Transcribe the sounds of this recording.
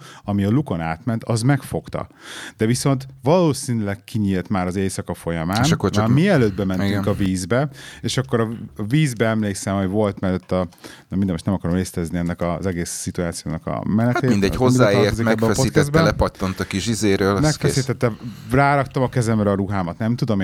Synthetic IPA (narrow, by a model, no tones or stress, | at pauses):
ɒmiɒluko̞naːt̪mɛnt̪ɒzmɛkfo̞kt̪ɒ̰d̪̥ɛviso̞nt̪ʋɒloːsiːnylɛkkiɲiːlt̪maːɾɒzeːsɒkɒfo̞jɒmaːnʃkːomiɛløːd̪̚bɛmɛniɡ̪yŋkɒviːzbɛeːʃɒkːoɾɒviːzbɛɛmleːksɛmho̞ɟʋo̞lt̪mɛlːt̪ːɒnmind̪ɛmoʃtnɛmɒkɒɾomeːst̪ɛzniɛnːɛkɒzɛɡeːsːit̪uaːt̪sijo̰ːnɒkɒ̰mɛnɛtat̪eːmind̪ɛhozmiːaːeɾt̪ozikmɛbbɛɛspoiːk̪t̪ɛzd̪bɛɛlɛpɒt̪ːont̪ɒkiʃizeːɾøːlmɛkfɛsiːt̪ɛt̪ːɛraːɾɒkt̪ɒmɒkɛzɛmrɛɒɾuɦaːmɒt̪nɛmt̪ud̪om